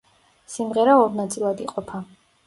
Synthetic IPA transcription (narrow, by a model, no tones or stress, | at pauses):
simʁɛɾaɔɾnat̪sʼilˠad̪iqʼɔpʰa